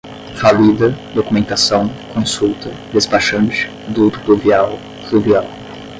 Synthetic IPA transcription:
falid̪ɐd̪okumẽnt̪asɐ̃w̃kõnsult̪ɐ | d̪espaʃɐ̃nt͡ʃ | d̪ut̪u̥pluvjaw | fluvjaw

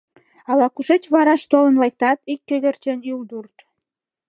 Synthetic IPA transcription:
ɑlɑkuʃet͡ɕβɑɾɑʃt̪olə̆nlɑjk̚t̪ɑt̪ikːød̪ert͡ɕenjuld̪urt̪

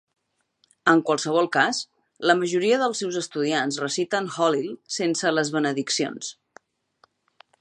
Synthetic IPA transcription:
əŋkwalˠsəβ̞ɔlˠkas | ləməʒuɾiəðəlˠsɛwzəst̪uðianzrəsit̪ənxɔlilˠsensələzβənəðiksio̰ns

